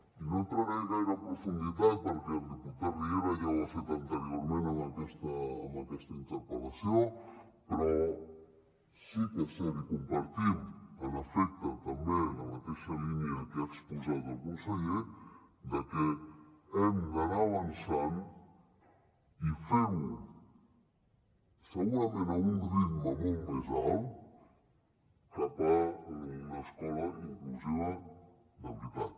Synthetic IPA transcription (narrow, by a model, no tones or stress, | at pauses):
inot̪ɾaɾajɣajɾapɾofund̪it̪at̚paɾkeald̪ikut̪aɾβiɣeɾaʝawaset̪ant̪eɾjoɾmẽnamakest̪aːmakest̪aint̪eɾpelasjopɾo | sikeseɾikumpaɾt̪inalafek̚t̪at̪ambenamat̪eʃalinjakeakspusaðoalkonseʝed̪ɐke | ɛmɡaɾaβansaɾu | ifem | sauamenauðiɡmamowmezal | kapa | laskɔlaiŋkluziβa | d̪aβɾit̪a̰t̪